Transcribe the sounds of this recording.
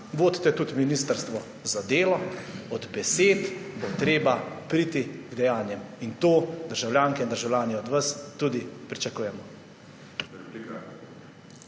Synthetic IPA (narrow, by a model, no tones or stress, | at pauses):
ʋoːd̪t̪ɛt̪ut̪minist̪əɾst̪ʋɔ | zad̪eːlɔɔd̪bɛseːt̪bot̪ɾeːbapɾiːt̪iɡd̪ɛjaːnjɛmint̪oːd̪əɾʒawljaːŋkɛind̪əɾʒawlʲjaːnjɛɔd̪ʋɐst̪ud̪ipɾit͡ʃakuːjɛmɔ